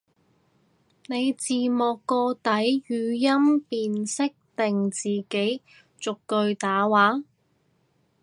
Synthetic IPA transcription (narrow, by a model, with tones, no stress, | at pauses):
ne˨˧jt͡siː˨mɔː˨kːɔː˧t̪ɐ˨˥jjyː˨˧jɐ˥mpiː˨nsɪ˥k̚t̪ɪ˨ŋt͡siː˨ke˨˥j | t͡sʊ˨kːɵ˧ɥt̪aː˨˥waː˨˥